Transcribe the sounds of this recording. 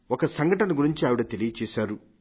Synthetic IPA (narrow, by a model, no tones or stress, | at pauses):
ɔkɐsɐŋɡɐʈɐnɐɡuɾiɲt͡ʃiaːʋiɽɐt̪elijɐt͡ʃɛːsaːɾu